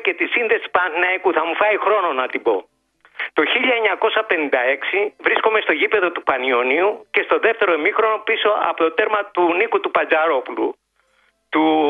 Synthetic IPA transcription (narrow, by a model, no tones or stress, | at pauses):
ce̞t̪isinðe̞si̥spɐnɐikuθɐmufɐixɾo̞no̞nɐt̪ibo̞̰ | t̪o̞çiʎɐeɲɐko̞sɐpe̞nĩnd̪ɐe̞ksivɾisko̞me̞st̪oʝipe̞ðo̞t̪upɐnio̞niuce̞st̪o̞ðe̞ft̪e̞ɾo̞emixɾo̞no̞piso̞ɐ̰pot̪ot̪e̞ɾmɐt̪unikut̪upɐnd͡zɐɾo̞pulṵ | t̪u